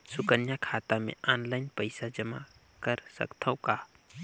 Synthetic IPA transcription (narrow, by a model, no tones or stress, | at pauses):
sʊkənjakʰaːt̪amḛ̃aːnlaɪnpəɪsad͡ʒəma̰ | kəɾsə̰kt̪ʰəwkaː